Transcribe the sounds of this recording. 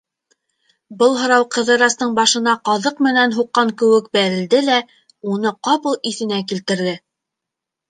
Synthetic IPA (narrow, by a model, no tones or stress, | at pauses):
bɤlˠɦɤ̆ɾɑwqɤ̆ðɤ̆ɾɑst̪ɤɴbɑʃɤ̆nɑqɑðɤqmɘ̆nænɦuqːɑŋkɵ̆wɘk̚bæɾɘ̆ld̪ɘlæ | unɤqɑpɤlˠiθɘ̆nækilt̪ɘ̆ɾðɘ